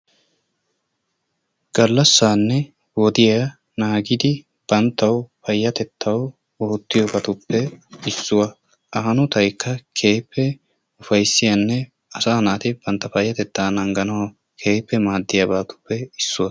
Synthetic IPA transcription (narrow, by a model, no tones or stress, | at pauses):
ɡ̥ɐlːɐsːaːnːɛ | wɔd̪ɪja | naːɡɪd̪ɪ | b̥ɐnt̪ːɐwfɐjːɐt̪ɛt̪ʰːɐw | oːt̪ːɪjɔbɐt̪ʊpːɛɪsːʊwɐ | ɐːɐnʊt̪ɐjkːɐkʰe̞ːpːɛ | ʊfɐjsːɪjɐnːɛ | ɐsaːnaːt̪ɪb̥ɐnt̪ːɐfɐjːɐt̪ɛt̪ːaːnɐŋɡɐnɐw | kʰeːpːɛmaːd̪ːɪjɐbaːt̪ʊ̥pːɛɪsːʊwɐ